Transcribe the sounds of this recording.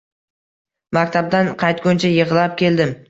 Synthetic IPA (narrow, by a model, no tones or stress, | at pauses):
makʲt̪ʰab̚d̪anqʰɑjt̪̚ɡʲʊnt͡ʃʰajəʁlˠap̚kʲʰe̞ld̪ɪm